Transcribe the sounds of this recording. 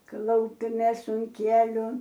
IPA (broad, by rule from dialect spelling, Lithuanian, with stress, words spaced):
ˈklˠɐʊpʲɛmʲeːs ʊn ˈkʲiɛlʲʊ